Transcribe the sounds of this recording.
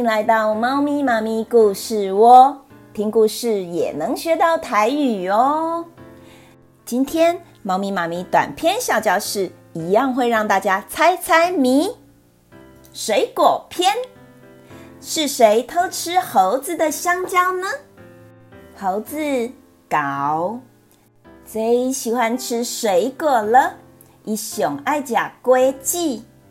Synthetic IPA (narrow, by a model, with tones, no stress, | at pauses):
i˥ŋla˧˥ɪt̪ɑ˥˩ʊmɑ˥ʊmi˧˥ma˧˥mi˧ku˥˧ʂɻ̩˥˩wɔ˦ | t̪ʰi˥ŋku˥˧ʂɻ̩˥˩jɛ̰˨˩nɤ˧˥ŋɕɥɛ˧˥t̪ɑ˥˩ʊt̪ʰa˧˥ɪy˨˩ɔ˦ | t͡ɕi˥nt̪ʰjɛ˥n | mɑ˥ʊmi˧˥ma˧˥mi˧˥t̪wa̰˨˩npʰjɛ˥˧nɕjɑ˥˩ʊt͡ɕjɑ˥˧ʊʂɻ̩˥˩ | i˧˥jɑ˥˧ŋxwe˥˧ɪɻɑ˥˧ŋt̪a˥˩t͡ɕja˥t͡sʰa˥ɪt͡sʰa˥ɪmi˧˥ | ʂwe˧˥ɪkwɔ˨˩pʰjɛ˥˩n | ʂɻ̩˥˩˨ʂe˧˦ɪt̪ʰo˥ʊʈ͡ʂʰɻ̩˦xo˧˦ʊd͡zɹ̩˨d̪ə˨ɕjɑ˥ŋt͡ɕjɑ˥ʊnə˨ | xo˧˦ʊd͡zɹ̩˧ | ka˨˦ʊ | t͡se˧˦ɕi˨˩xwa˦nʈ͡ʂʰɻ̩˥ʂwe˧˦ɪkɔ˨˩lə˨ | ʔi˨˩ɕjo˨˩ŋa˥˧˩ɪt͡ɕja˨˩kwe˥˦t͡ɕi˥˨